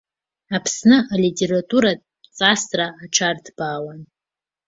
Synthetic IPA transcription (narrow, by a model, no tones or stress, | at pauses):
apʰsnɨalitʲʰʼe̞ɾatʼuɾa | t͡sʼastʼraːʈ͡ʂʰardbaːlan